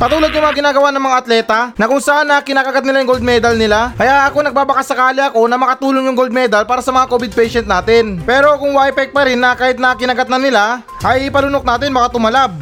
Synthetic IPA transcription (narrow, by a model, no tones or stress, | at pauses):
pɐt̪uːlod̪jʊŋmɐŋaɡɪnaːɡɐwanɐŋmɐŋaʔɐt̪lɛːt̪ɐnɐkʊŋsɐʔanːɐkɪnaːkɐɡat̪nɪlajʊŋɡold̪̚mɛd̪ɐlnɪlakɐjaʔɐko̞nɐɡ̚baːbɐkasːɐkaːlɪɐko̞nɐmɐkɐt̪uːloŋjʊŋɡold̪̚mɛd̪ɐlpaːɾɐsɐmɐŋako̞bɪd̪̚pɛjʃɛnt̪naːt̪ɪnpɛːɾo̞kʊŋwaʔɛpɛk̚pɐɾɪnːɐkaːhɪt̪̚nɐkɪnɐɡat̪̚nɐnɪla | ʔɐjɪpɐlʊnok̚naːt̪ɪnbɐkat̪ʊmɐlab̚